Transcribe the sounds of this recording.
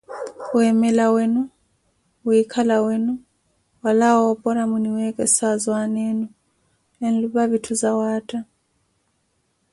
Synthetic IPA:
wɛmɛlawɛnɔ | wikʰalawɛnɔ | walawɔpʼɔɾamuniwɛkʼɛsazwanɛnɔ | ɛn̩luβaβitʰuzawaːtʼa

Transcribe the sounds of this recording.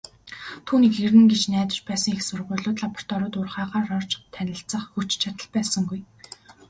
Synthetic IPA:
t̪ʰuːniːkxeɾɘ̆ŋɡet͡ɕnæːt̪ə̥̆t͡ɕpæːsə̆ŋexsʊrʁʊ̟ːɮʊːt̪ɮapɔ̥r̥t̪ʰɔɾʊːt̪ʊrχaːʁaːrɔrt͡ɕt̪ʰænʲɪ̆ɬt͡sə̆χxut͡ɕt͡ɕʰat̪ə̆ɮpæːsə̆ŋɡuj

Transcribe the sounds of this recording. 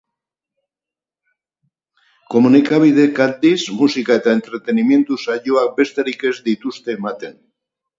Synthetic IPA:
komunikaβiðekat̪d̪izmusikaet̪aent̪ɾet̪enimje̞nt̪usaʝoak̚best̪eɾikezd̪it̪ust̪emat̪en

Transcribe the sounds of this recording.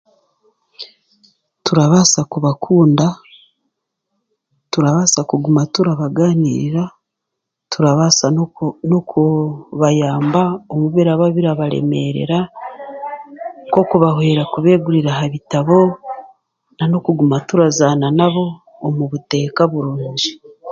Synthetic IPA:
tuɾaβasakuβakʰuːnda | tuɾaβasakuɡumatuɾaβaɡaːniːɾiɾa | tuɾaβasanokuβajaːmbaomuβiɾaβaβiɾaβaɾe̞̰me̞̰ɾe̞̰ɾa | ko̞kuβahweːɾakuβeːɡuɾiɾaɦaβitaβo̞ | nano̞kuɡumatuɾazaːnanaβo̞ː | muβute̞ːkaβuɾuːɲd͡ʒi

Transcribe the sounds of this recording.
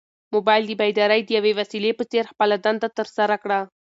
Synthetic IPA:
mobajld̪ibajd̪aɾajd̪əjawewasilepəseɾxpəlad̪and̪at̪əɾsaɾakɽa

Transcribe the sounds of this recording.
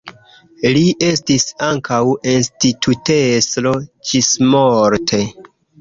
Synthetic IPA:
liʔe̞stisaŋkʰawinstitʰuteslo̞d͡ʒismoɾtʰe̞

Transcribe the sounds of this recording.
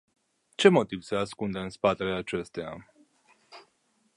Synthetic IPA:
t͡ʃe̞mo̞t̪ivseaskund̪eɨnspat̪eleat͡ʃe̞st̪ea̰

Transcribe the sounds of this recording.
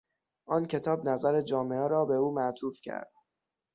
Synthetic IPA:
ʔɒːncʰe̞t̪ʰɒːbnæzæɾed͡ʒɒːmeɛɾɒːbe̞uːmæʔt̪ʰuːfcʰæ̰ɾd̪̥̚

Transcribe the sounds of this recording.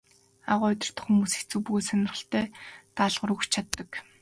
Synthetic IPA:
a̰ʁʊːʊt̪ʲɪ̆r̥t̪ə̥̆χxumuːse̥xt͡sŭːpuɣeːsanʲɪ̆rχə̆ɬt̪eːt̪aɮʁ̆ɾukt͡ɕt͡ɕʰat̪ːə̆k

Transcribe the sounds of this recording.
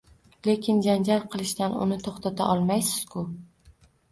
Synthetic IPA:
le̞kʲʰɪnd͡ʒand͡ʒalˠqʰɨlˠɪʃt̪anʊ̰nɪt̪ʰoχt̪ʰat̪ʰa̰ʔɒlˠmajsɪz̥kʰʊ

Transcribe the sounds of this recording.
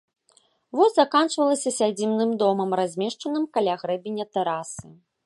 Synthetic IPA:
vɔzʲzakant͡ʂvɐlˠɐsʲɐsʲad͡zʲimnɨmd̪ɔmɐmrazʲmʲeʂt͡ʂɐnɨmkalʲaɣɾɛbʲenʲːɐt̪ɛɾasɨ

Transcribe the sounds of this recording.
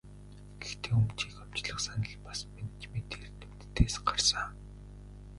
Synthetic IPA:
ɡ̥ext̪ʰeːumt͡ɕiːkam̥t͡ɕɮə̆χsanə̆ɮpasment͡ɕmet̪eːrt̪ĕm̥t̪ʰːeːsɢarsə

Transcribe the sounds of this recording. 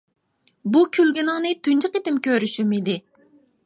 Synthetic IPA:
bukʲʰylɡʲinɨŋnɨt̪ʰynt͡ʃʰiqet̪ɪmkʲøɾyʃymid̪ɪ

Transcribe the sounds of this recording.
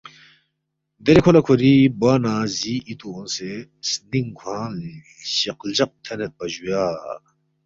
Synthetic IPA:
d̪eɾekʰolɐkʰuɾibaːnaːziit̪uonsesniŋɡʰwaːn | ɕɐqld͡ʑɐq̚t̪ʰɐnet̪̚pɐʑujaː

